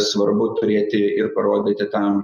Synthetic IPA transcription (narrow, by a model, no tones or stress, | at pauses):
sʋɐɾbʊt̪ʊɾʲeːt̪ʲɪɪrpɐɾoːd̪ʲeːt̪ʲɪt̪ɐm